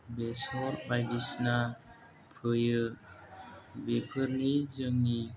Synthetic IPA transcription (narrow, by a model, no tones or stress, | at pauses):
besoɾbadisna | pʰəjə | bepʰəɾnid͡ʒəŋni